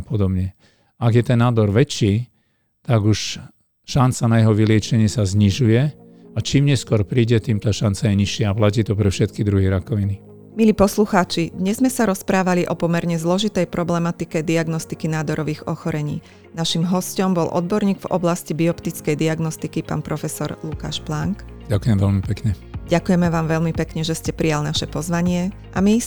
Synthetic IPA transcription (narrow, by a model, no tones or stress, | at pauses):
apɔd̪ɔbɲɛ | aɡjɛt̪ɛnːaːd̪ɔɾʋɛt͡ʃːiː | t̪aɡuʃ | ʃant͡sanajɛɦɔʋilɪɛt͡ʃɛɲɪɛsazɲiʒujɛ | at͡ʃiːmɲɛskʊɔɾpɾiːɟɛt̪iːmt̪aːʃant͡sajɛɲiʃɪɛaplac̬iːt̪ɔpɾɛfʃɛt̪kid̪ɾuɦiɾakɔʋini | miliːpɔsluxaːt͡ʃid̪ɲɛzmɛsaɾɔspɾaːʋaliʔɔpɔmɛɾɲɛzlɔʒit̪ɛjpɾɔblɛmat̪ikɛd̪iaɡnɔst̪ikinaːd̪ɔɾɔʋiːɣɔxɔɾɛɲḭː | naʃimɦɔscɔmbɔlʔɔ̰d̪bɔɾɲiːɡvɔ̰blascibiɔpt̪it͡skɛjd̪iaɡnɔst̪ikipa̰ːnpɾʔɔfɛsɔɾluka̰ːʃplaŋk | ɟakujɛmʋɛlmipɛkɲɛɟakujɛmɛʋaːmʋɛʎmipɛkɲɛʒɛscɛpɾijalnaʃɛpɔzʋaɲɪɛ | ʔami